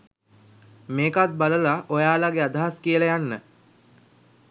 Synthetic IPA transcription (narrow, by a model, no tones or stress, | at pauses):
meːkat̪̚baləlaʔojaːlaɡead̪aɦaskijələjanːə